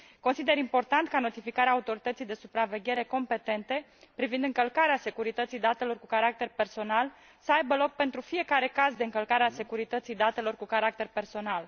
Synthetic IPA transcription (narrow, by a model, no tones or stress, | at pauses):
ko̞nsid̪e̞ɾimpo̞rt̪ant̪kano̞t̪ifikaɾeaːut̪o̞ɾit̪ət̪sijd̪e̞supɾave̞ɡʲe̞ɾe̞ko̞mpe̞t̪e̞nt̪e̞ | pɾivind̪ɨŋkəlkaɾease̞kuɾit̪ət̪sijd̪at̪e̞lo̞rkukaɾak̚t̪e̞rpe̞rso̞nal | səajbəlo̞k̚pe̞nt̪ɾufije̞kaɾe̞kazd̪eɨŋkəlkaɾease̞kuɾit̪ət̪sijd̪at̪e̞lo̞rkukaɾak̚t̪e̞rpe̞rso̞nal